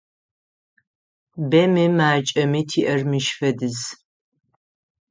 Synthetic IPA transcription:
bɐmɨmaːt͡ʃʼɐmitʰiːʔɐrmɨʃfɐdɨz

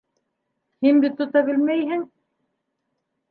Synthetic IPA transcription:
hinbit̪ːŏt̪ɑbɘ̆lmæjɦɘŋ

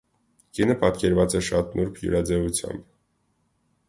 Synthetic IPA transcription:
kinəpɑt̪kɛɾvɑt͡sɛʃɑt̪nuɾkʰjṵɾɑd͡zɛvut͡sʰjɑ̰mb

